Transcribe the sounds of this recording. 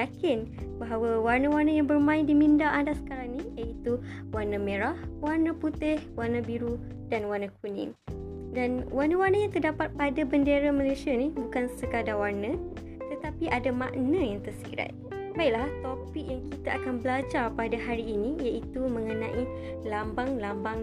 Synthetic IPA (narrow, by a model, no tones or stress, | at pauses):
jakɪnbaɦawawarnə̃warnə̃jaŋbərmãɪndimĩndaʔandasə̥kaɾaŋnĩjait̪u | warnə̃mẽɾahwarnəput̪ɪhwarnəbiɾu | danwarnəkʰunɪ̰̃ŋ | danwarnəwarnəjaŋt̪ərdapat̪̚padabəndeɾamalesianibukansəkadawarnə̃ | t̪ət̪apiʔadamã̰ʔnəjaŋt̪ərsḭɾa̰t̪̚ | baiʔlaht̪opik̚jaŋkit̪aʔakanbəlad͡ʒarpadaɦaɾiːnĩjaʔit̪umə̃ŋənã̰ʔi | lambaŋlambaŋ